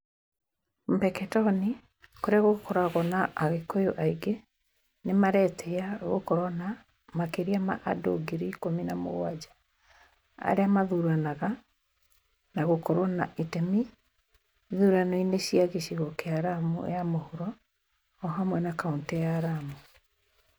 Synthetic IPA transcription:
m̩bɛkɛtɔni | koɾeaɣokɔɾaɣɔnaʔːɣekojoʔaiɡe | nemaɾɛtʰɛaɣokɔɾɔna | makeɾiama̰ʔado̰ɡeɾiikominamo̰ɣwad͡ʑa | a̰ɾeamaðuɾanaɣa | naɣokɔɾɔnaʔitɛmi | ðuɾanɔineɕiaɣeɕiɣɔkeaɾamṵjamohuɾɔː | ɦamwɛnakauntijaːɾamu

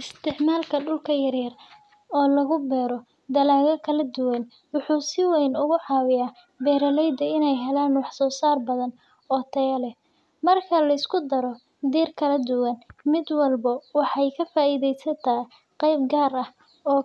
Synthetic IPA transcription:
ʔɪst̪ʰɪʕmaːlkʰɐɖʊlkʰɐjɐrjɐr | ɔːlɐɣʊbɛːɾɔ | d̪ɐlaːɣɐkʰɐlɐd̪ʊwɐn | wʊħuːsɪwɛjnʊɣʊʕɑːwɪjaː | bɛːɾɐlɛjd̪ɐɪnɛjɦɛlaːnwɑħsɔːsaːrbɐðɐn | ɔːt̪ʰɐjɐlɛ | mɐrkʰɐlɐɪskʰʊd̪ɐɾɔ | d̪iːrkʰɐlɐd̪ʊwɐnmɪd̪wɑlbɐwɑħɑjkʰɐfaːʔiːðɛjsɐt̪ʰɐ | qɛjb̚ɡaːrɐh | ɔː

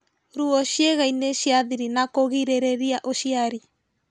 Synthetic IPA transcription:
ɾuɔɕjeɣaineɕiaðiɾinakoɣiɾeɾeɾiaʔoʃiaɾi

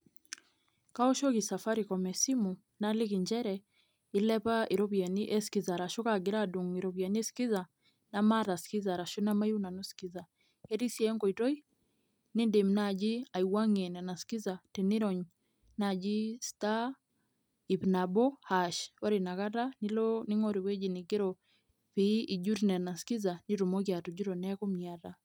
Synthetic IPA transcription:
kaɔʃɔkisafaɾikɔmɛsimu | nalikiɲd͡ʒɛɾɛ | ilɛpaiɾɔβianiʔɛsi̥kizaɾaʃɔkaɡɛɾaduŋiɾɔβianiɛsi̥kiza | namaɾasi̥kizaɾaʃɔnamajunanusi̥kiza | hɛɾisiɛŋɡɔitɔi | nindemnad͡ʒiaiwaŋɛnɛnaskizatɛniɾɔɲ | nad͡ʒista | ipnabɔhaʃwaɾinakatanilɔniŋɔɾiwɛd͡ʒinikeɾɔ | piʔid͡ʒuɾinɛnaskizaniɾumɔkjatud͡ʒiɾɔnɛkɔmiata

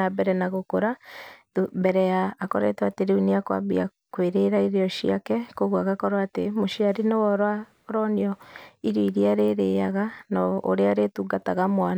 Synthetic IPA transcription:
abɛɾɛnaɣokoɾa | ubɛɾɛaːkɔɾḛtɛateɾeuniakwa̰bḭa̰ | kweɾeɾaiɾeɔʃiakɛkoɣwaɣakɔɾaaːtemoʃiaɾinewɔɾwa | ɾɔniɔiɾiiɾiaɾeɾeːjaɣanao̰ɾeaɾetuɡataɣamwan

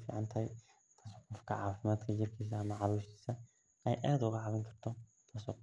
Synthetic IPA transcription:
fḭːʕɑnt̪ʰɐɦɛj | t̪ʰaːsɔːqɔfkʰɐ̰ʕɑːfɪmaːd̪kʰɐt͡ʃɪrkʰiːsɐɐmɐʕɑluːʃt̪i̥ːsɐ | ʔɛjʔaːðʊɣɐʕɑβɪŋkʰɐrt̪ʰɔ | t̪ʰaːsɔ̰ː

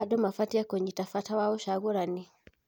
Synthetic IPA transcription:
adɔmafatijakoɲitafatawawɔʃaɣuɾani

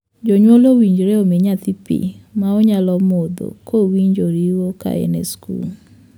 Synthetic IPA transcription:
d͡ʒɔɲwɔlowiɲd͡ʒɾeomeɲat̪ipḭmaoɲalɔmod̪o̰kʰowiɲd͡ʒoɾiwoka̰ɛ̰nɛ̰skṵl

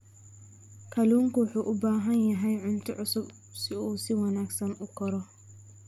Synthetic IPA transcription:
kʰɐluːŋkʰʊwʊħuːʔʊbaːɦɐnjɐɦɛjʕʊnt̪ʰɔʕʊsʊb | sɪuːsɪwɑnaːɡsɐnʊkʰɐɾɔ

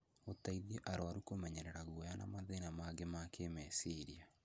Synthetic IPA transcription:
otaiðeʔaɾowaɾukomɛɲɛɾeɾaɣwɔjana̰maðenamaɡemakemɛsiɾia

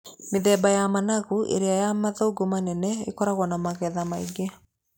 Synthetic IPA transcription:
meðɛːbajamanaɣuʔḛɾeajamaðoɡomanɛnɛekɔɾaɣwɔnamaɣɛðamaiɡea

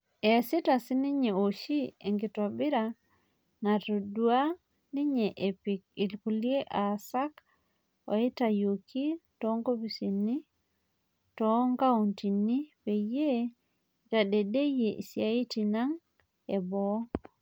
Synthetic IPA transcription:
esitasiniɲeoʃieŋɡitobiɾa | natodua | niɲeʔepik̚ilkulieʔasak | o̰itajokitoŋkopisinːi | toŋɡauntinːipeje | tadedejeʔḭsiaitinaŋ | ebo

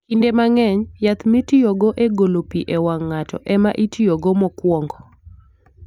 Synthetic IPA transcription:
kindemaŋɛɲjat̪mitijoɡɔʔeɡolopiʔɛwaŋːatɔ̰ʔɛmaʔitijoɡɔmɔkwɔŋɡɔ

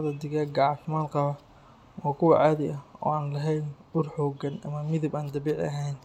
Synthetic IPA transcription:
ðɐd̪ɪɣɐɡɑːʕfɪmaːnqɑβɐ | wɑːkʰʊwɑʕaːðɪʔɐɔ̰ːaːnlɐɦɛjnbʊrħɔːɡɐnɐmɐmɪðɪbaːnd̪ɐβiːʕɐ̰ɦɛjn

